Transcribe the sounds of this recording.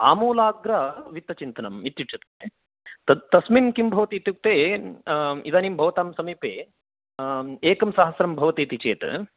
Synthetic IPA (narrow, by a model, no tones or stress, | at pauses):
a̰ːmoːlaːɡɾɐʋit̪ːɐt͡ʃint̪ɐnɐmit̪juʈʃʰɐt̪ɐ̥kt̪e | t̪ɐsmimkimbʱɐʋɐt̪iːt̪juk̚t̪eː | id̪aːniːmbʱɐʋɐt̪aːmsɐmiːpeː | eːkɐmsaːɦɐsɾɐmbʱɐʋɐt̪iːt̪it͡ʃeːt̪